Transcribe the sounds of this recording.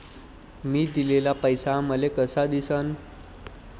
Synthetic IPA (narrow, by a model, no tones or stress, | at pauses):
miːd̪ilelapəjsaməlekəsad̪isən